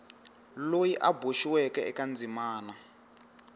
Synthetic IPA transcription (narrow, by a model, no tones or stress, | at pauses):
lojiʔaboʃiwɛkɛɛkand͡zimaːna